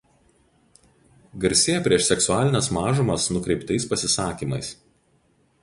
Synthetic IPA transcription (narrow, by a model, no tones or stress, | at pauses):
ɡɐɾʲsʲeːjɛpʲɾʲiɛʃsʲɛksʊaːlʲɪnʲɛsmɑːʒʊmɐsnʊkɾʲɛɪpt̪ɐɪspɐsʲɪsɑːkʲiːmɐɪs